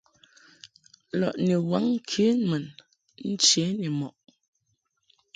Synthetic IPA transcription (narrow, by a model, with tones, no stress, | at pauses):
lɔ̰˨ʔni˨wa˨˦ŋ˦kʰe˨˦mə˨n | n̩˦t͡ʃe˨˦ni˨mɔ˨ʔ